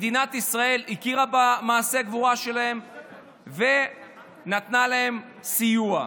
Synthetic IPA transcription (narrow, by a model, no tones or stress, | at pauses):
d̪inat̪isʁae̞likiʁabamaːseaɡvuʁaʃe̞lahe̞m | ve̞ | nat̪nalahe̞m | sijua